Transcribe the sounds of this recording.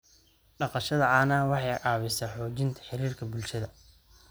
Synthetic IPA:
ɖɑqɑʃɐðɐaːnɐwɑħɑjʔɑːβɪsɐħɔːt͡ʃɪnt̪ʰɐ̥ħɪɾiːrkʰɐbʊlʃɐðɐ

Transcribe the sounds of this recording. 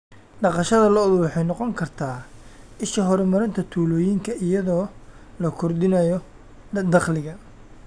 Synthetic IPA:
ɖɑqɑʃɐðɐlɐðwɑħɑjnɔqɔŋkʰɐrt̪ʰaːʔɪʃɐɦɔɾmɐɾɪnt̪ʰɐt̪ʰuːlɔːjiŋkʰɐʔɪjɐðɔːlɐkʰɔrd̪ɪnɐjɔ | d̪ɑχlɪɣɐ

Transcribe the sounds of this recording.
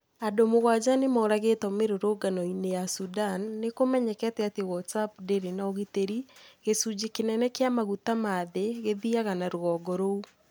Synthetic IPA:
adomoɣwad͡ʒanemɔːɾaɣetɔmeɾoɾoɡanɔinejasudanːekomɛɲɛkɛteatewɔtsapdeɾenaoɣiteɾiɣesud͡ʒekenɛnɛkeamaɣutamaðeɣeðiaɣanaɾoɣɔɡɔɾou

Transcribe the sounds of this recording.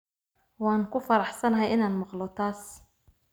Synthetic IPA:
wɑːŋkʰʊfɐɾɑħsɐnɐɦɛjɪnaːnmɑqlɔt̪ʰaːs

